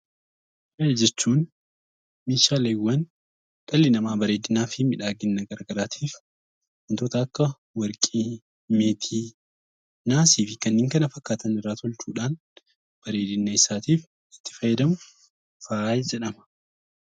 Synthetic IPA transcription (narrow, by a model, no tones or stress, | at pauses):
ʔɐjd͡ʒɛt͡ʃːuːn | miːʃaːleːwːɐn | ᶑ̥ɐlːɪnɐmaːbɐɾe̞ːd̪ɪnaːfɪmɪᶑaːɡɪnːɐɡɐɾɡɐɾaːt̪ʰiːf | ʔɐnt̪ɔt̪ɐːkːɐ | wɐɾkʼiː | meːt̪ʰiː | naːsiːfɪkɐnːiːŋkɐnɐfɐkːaːt̪ɐnɪrːaːt̪ɔlt͡ʃuːᶑaːn | b̥ɐɾe̞ːd̪ɪnːɐɪsaːt̪iːf | ɪ̥t̪ːɪ̥fɐjːɐd̪ɐmʊ | faːjd͡ʒɛᶑɐmɐ̥